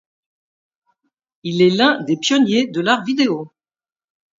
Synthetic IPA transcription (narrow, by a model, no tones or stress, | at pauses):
ilɛlɛ̃d̪epjɔnjed̪əlaʁvid̪eo